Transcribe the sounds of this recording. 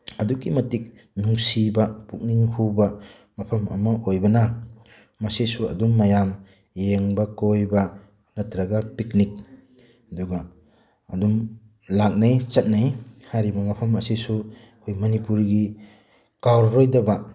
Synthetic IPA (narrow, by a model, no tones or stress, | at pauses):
ɐdukimɐtik̚ | nuŋsibapuk̚niŋhuba | mɐpʰɐmɐ̰mɐʔojbɐna | mɐsisuɐ̰dumːajam | jeŋbakojba | nɐtɾɐɡapiknik̚ | hɐduɡa | ɐdum | lak̚najt͡ʃɐt̚najhaɾibɐmɐpʰɐmɐsisu | kʰojmɐnipuɾɡi | kawɾːojdɐba